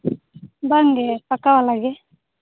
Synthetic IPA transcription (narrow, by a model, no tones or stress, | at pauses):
baŋɡepakawalaɡe